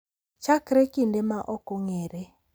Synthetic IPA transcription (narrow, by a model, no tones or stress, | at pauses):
t͡ʃakɾekindemaʔɔkɔŋeɾe